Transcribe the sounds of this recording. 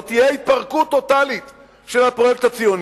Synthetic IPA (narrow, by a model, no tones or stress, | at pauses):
t̪ijeit̪̚paʁkut̪ːo̞t̪alit̪ | ʃelhapʁo̞jek̚t̪hat͡sijo̞n